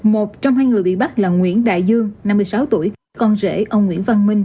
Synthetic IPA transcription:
mo˨˩t̚t͡ɕɔ˧wŋ͡mɦaː˧jŋɨ˨˩əjɓḭ˧˨ɓa˦˥t̚laː˨˩ŋwḭ˧˥ənɗa̰ː˧˨jzɨ˧əŋna˧mːɨ˧əjsaː˨˦wt̪u˧˩əjkaː˦˥kɔ˧nzḛ˧˥ʔə˧wŋ͡mŋwḭ˧˥ənva˧nmï˧ŋ̟

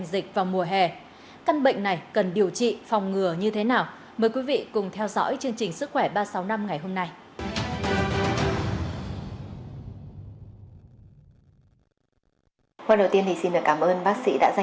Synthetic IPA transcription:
ŋzï˨˩k̚vaː˨˩wmu˨˩əɦɛ˨˩ | ka˧nɓə̰˧˨ŋ̟na˨˩jkə˨˩nɗi˨˩əwt͡ɕḭ˧˨fɔ˨˩wŋ͡mŋɨ˨˩əɲɨ˧t̪ʰe˨˦naː˨˩w | məː˨˩jkwi˨˦vḭ˧˨kʊ˨˩ŋ͡mt̪ʰɛ˧wzɔ̰˧˥jt͡ɕɨ˧əŋt͡ɕï˨˩ŋ̟sɨ˦˥k̚xwɛ˧˩ɓaː˧sa˨˦wna˧mŋa˨˩jhɦo˧mna˧j | xwaː˧nɗə˨˩wt̪i˧ənt̪ʰi˨˩si˧nɗɨ˨˩əkaː˧˩mʔəː˧nɓaː˦˥k̚sḭ˧˥ɗa̰ː˧˥za˧

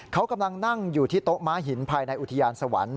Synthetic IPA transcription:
kʰa˦˥wka˧mla˧ŋna˥˩ŋjuː˨˩t̪ʰiː˥˩t̪o˦˥ʔmaː˦˥ɦi˩˦npʰaː˧jna˧jʔu˨˩t̪ʰa˧jaː˧nsa˧wa̰˩˦n

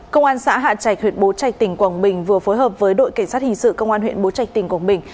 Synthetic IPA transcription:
kə˧wŋ͡mʔaː˧nsa̰ː˧˥ɦa̰ː˧˨t͡ɕaː˧˩jk̚tʰwi˨˩t̚ɓo˨˦t͡ɕa˨˩jk̚t̪ï˨˩ŋ̟kwa˨˩ŋɓï˨˩ŋ̟vɨ˨˩əfo˨˦jɦəː˨˩p̚vəː˨˦jɗo̰˧˨jka˧˩jŋ̟saː˦˥t̚hï˨˩ŋ̟sɨ̰˧˨kə˧wŋ͡mʔaː˧nhw̰ḭ˧˨ənɓo˨˦t͡ɕa˨˩jk̚t̪ï˨˩ŋ̟kwaː˧˩ŋɓï˨˩ŋ̟

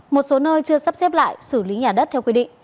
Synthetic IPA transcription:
mo˨˩t̚so˨˦nəː˧jt͡ɕɨ˧əsa˦˥p̚sɛ˦˥p̚la̰ː˧˨jsɨ˧˩li˨˦ɲaː˨˩ɗə˦˥t̪ʰɛ˧wki˧˩ɗḭ˧˨ŋ̟

